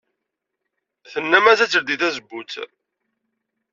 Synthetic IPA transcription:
θənːæmæθæt͡sːəɾd̪iθæzəbːut͡sː

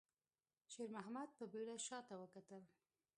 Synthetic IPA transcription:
ʃeɾmaɦamad̪̚pəbeɽaʃɑt̪awəkat̪əl

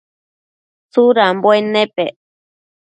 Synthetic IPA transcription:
t͡suɾambwenepe

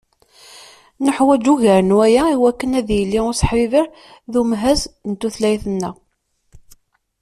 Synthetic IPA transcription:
nəħwæd͡ʒuʝæɾənwæjæiwækːənæðjəlːiʊsə̥ħvivəɾ | ðumɦæznt̪ːuθlæjθənːæ

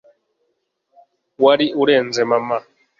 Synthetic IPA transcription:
waɾiʔuɾɛnd͡zɛmama

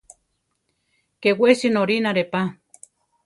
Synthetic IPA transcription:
kewesinoɾinaɾepa

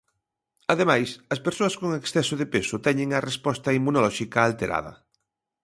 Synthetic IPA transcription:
ɐðemajsɐspeɾsoɐskoŋeksθɛsoðepesʊt̪ɛɲẽŋɐrespɔst̪ɐimːunolɔʃikaːlt̪eɾʔa̰ðɐ̰

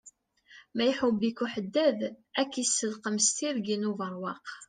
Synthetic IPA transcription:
mæjħubːikuħəd̪ːæðækːisːəlqəmst̪iɾɡinuvəɾˤwɑq

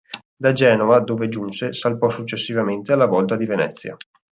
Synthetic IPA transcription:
d̪ad͡ʒɛːnovad̪oːved͡ʒunsesalpɔsut͡ʃːesːivament̪ealːavɔlt̪ad̪ivenɛt̪sːja̰

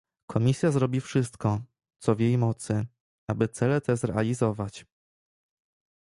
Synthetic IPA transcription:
kʰɔmʲisʲjazɾɔbʲifʂɘst̪kɔ | t̪sɔvʲjejmɔt̪sɘ | abɘt̪sɛlɛt̪ɛzɾɛʔalʲizɔvat͡ɕ

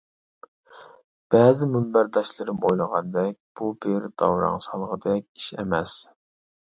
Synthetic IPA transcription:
b̥ɛːzɪmymbæɾd̪ɑʃlˠɨɾɨmojlˠəʁɑnd̪ɛk̚ʲb̥ubeɾd̪ɑ̰wɾɑ̰ŋʃɑlˠʁəd̪ɛk̚ʲi̥ʃḛmɛs

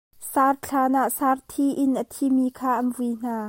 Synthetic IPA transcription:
sart͡ɬʰaːnaʔsaːrt̪ʰiʔɪnʔət̪ʰimikʰaːʔɐnvuin̥aː

